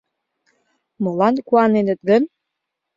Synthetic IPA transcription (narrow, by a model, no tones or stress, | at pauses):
molɑnkuɑnenə̆t̪̚ɡən